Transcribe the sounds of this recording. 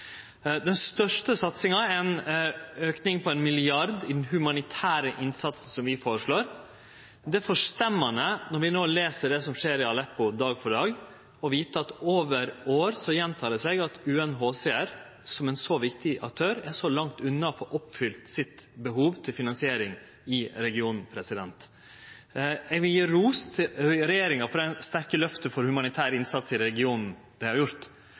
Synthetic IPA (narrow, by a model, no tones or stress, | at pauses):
d̪ɛnst̪œʂʈəsɑt̪sɪŋɑɛn | øːknɪŋpʰɔɛnmɪlɪɑɾd̪ɪd̪ɛnhʉmɑnɪt̪ʰæːɾəʔɪnsɑt̪sn̩sɔmʋɪfoːɾəʂɭoːɾ | d̪ɛfɔʂt̪ɛmːɑnənɔɾʋɪnoːleːsəɖɛsɔmʂeːɾɪɑlɛpːʊd̪ɑːɡfɔɖɑːɡ | ɔʋiːt̪əɑt̪oːʋəɾoːɾsɔjɛnt̪ʰɑːd̪ɛsɛɡɑt̪ʉːɛnɦoːsɛæɾ | sɔmɛnsɔʋɪkt̪ɪʔɑ̰k̚t̪ʰøːɾæʂɔlɑŋt̪ʉnːɑfɔːʔɔpːfʏlt̪sɪt̪bəɦuːʋt̪ʰɪlfɪnɑnsɪeːɾɪŋ | ɪɾɛɡɪuːnn̩pʰɾɛsɪd̪ɛnt̪ | ɛɡʋɪljiːɾuːst̪ʰɪɾɛjeːɾɪŋɑfɔɾɛɪnst̪æɾkəlœft̪əfɔɾhʉmɑnɪt̪ʰæːɾəɪnsɑt̪sɪɾɛɛɡɪuːnn̩ | d̪̥æɛɪhɑɾjʊɾt̪